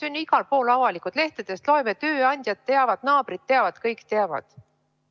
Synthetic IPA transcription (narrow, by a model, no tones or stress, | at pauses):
ynʲːiɡ̥ɑlpo̞ːlɑvɑlikud̪̥le̞ht̪ed̪̥est̪lo̞emet̪øːɑnʲd̪̥ʲjɑt̪ːeɑvɑd̪̥nɑːb̥rit̪̚ːe̞ɑvɑd̪̥kɤjkt̪eɑvɑ̰d̪̥